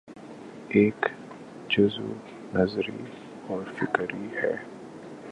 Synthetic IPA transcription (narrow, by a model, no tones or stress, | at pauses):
eːk | d͡ʒʊzṵ | nɐzɾḭ | ɔːɾfɪkɾihɛ̰ː